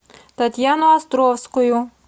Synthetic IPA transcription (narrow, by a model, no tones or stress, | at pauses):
t̪ɐt̪ʲjanɔɐst̪ɾɔwsʲkɔjʊ